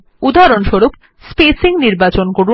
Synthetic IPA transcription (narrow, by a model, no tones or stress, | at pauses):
ud̪aɾonʃoɾup | spesiŋniɾbat͡ɕonkoɾu